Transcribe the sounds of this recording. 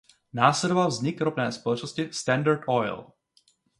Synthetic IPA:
naːslɛd̪ɔʋalvzɲikɾɔpnɛːspɔlɔt͡ʃnɔscist̪ɛnd̪aɾdɔjl

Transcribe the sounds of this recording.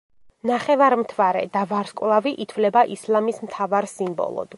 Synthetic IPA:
naχɛvaɾmt̪ʰvaɾɛ̰d̪avaɾskʼwlˠaviʔit̪ʰvlɛbaʔislˠamismt̪ʰavaɾsimbɔ̰lˠɔ̰d̪̥

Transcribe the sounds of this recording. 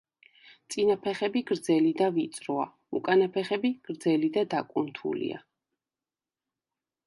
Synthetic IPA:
t̪sʼinapʰɛχɛbiɡɾd̪zɛlid̪avit̪sʼɾɔa̰ | ṵkʼanapʰɛχɛbiɡ̥ɾd̪zɛlid̪ad̪akʼunt̪ʰṵlḭa̰

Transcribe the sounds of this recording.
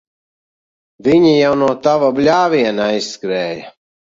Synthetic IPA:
viɲijawnuɔt̪avablʲaːvʲiɛnajsskɾɛːjɐ

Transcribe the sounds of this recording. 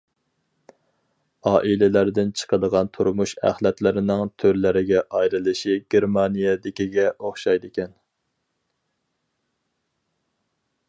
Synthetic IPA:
ɑːʔilɪlæɾd̪ɪnt͡ʃʰə̥qʰəd̪əʁɑnt̪ʰuɾmuʃæ̰χlɛt̪lɪɾɪnɪŋt̪ʰøɾlɪɾɪɡʲɛʔɑjɾɨlˠɨʃiɡ̥ʲeɾmɑnijɛd̪ɪkʲiɡʲɛʔoχʃɑjd̪ɪkʲɛn

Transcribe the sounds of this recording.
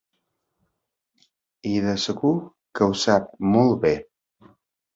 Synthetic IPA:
iðəsəɣu | kəuwsap̚mɔlˠbe

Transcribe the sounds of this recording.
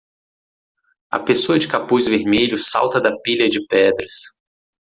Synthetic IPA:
ɐ̰pesoɐd͡ʒɪkapuzveɾmeʎʊsa̰wt̪ɐd̪ɐpiʎɐd͡ʒɪpɛd̪ɾɐs

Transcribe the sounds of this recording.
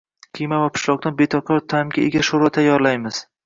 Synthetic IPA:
qʰɨjmavapʰʊ̥ʃlˠɒq̚d̪anbet̪ʰɒkʰɒɾt̪ʰamɡʲaeɡʲaʃoɾat̪ʰajːɒɾlajmɪz̥

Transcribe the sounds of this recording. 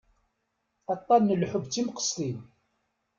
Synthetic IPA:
ɑt̪ˤːɑnːəlħʊbt͡sːimqə̥sˤlin

